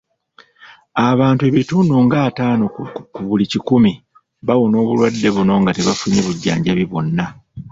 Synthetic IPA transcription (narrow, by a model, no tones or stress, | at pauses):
aβaːntue̞βitunoːŋɡaːtaːnokuβulicikumi | βawono̞ːβulwadːe̞βuno̞ŋɡateβafuɲeβuɟːa̰ːɲɟaβiβo̞nːa